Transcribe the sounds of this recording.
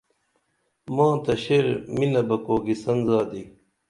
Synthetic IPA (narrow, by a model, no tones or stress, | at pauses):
mãːt̪ɐɕeɾminɐbɐkoːɡisɐnzaːd̪i